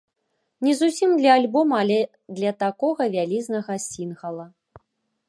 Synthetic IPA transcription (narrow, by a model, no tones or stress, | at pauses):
nʲɛzusʲimd̪lʲɐalʲbɔmɐalʲɛ | d̪lʲɐt̪akɔɣɐvʲalʲiznɐɣɐsʲinɣɐlˠɐ